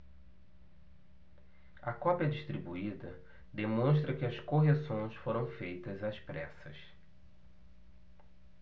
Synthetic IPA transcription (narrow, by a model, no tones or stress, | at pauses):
ɐkɔpjɐd͡ʒiʃt̪ɾibuid̪ɐ | d̪emõʃt̪ɾɐkɪɐskoɦesõj̃sfoɾɐ̃w̃fejt̪ɐzɐspɾɛsɐs